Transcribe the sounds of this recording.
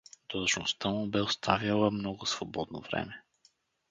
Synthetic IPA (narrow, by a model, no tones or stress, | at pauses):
d̪̥oʒnost̪əmʊbɛost̪ʰavjalˠəmnɔɡʊsvobɔd̪̚no̰vɾɛ̰mɛ